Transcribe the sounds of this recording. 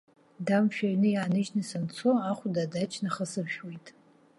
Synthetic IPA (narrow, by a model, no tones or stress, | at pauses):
damʃᶣaɥnɨjaanɨʒnɨsɨnt͡sʰoaχʷʊdadat͡ʃʰnaχəsɨbʒᶣwejtʼ